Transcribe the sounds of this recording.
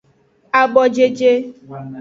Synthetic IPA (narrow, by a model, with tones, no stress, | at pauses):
a˨ɡ͡bɔ˨d͡ʒe˦d͡ʒe˦